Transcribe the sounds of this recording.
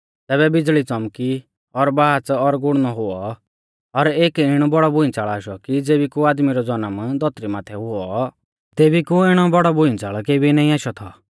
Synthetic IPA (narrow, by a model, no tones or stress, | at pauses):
t̪ɛːβɛbɪd͡zɭit͡sɔmki | ɔɾbaːt͡sɔɾɡʊɽnɔɦʊɔ | ɔɾeːkɪɽ̃ɔbɔɽɔbʊĩt͡saːɭaːʃɔkid͡zeːbikuaːd̪miɾɔd͡zɔnəmd̪ɔt̪ɾimaːt̪ʰɛɦʊɔ | t̪eːbikuɪɽ̃ɔbɔɽɔbʊĩnt͡saːɭɔkeːbinãĩaːʃɔt̪ʰɔ̰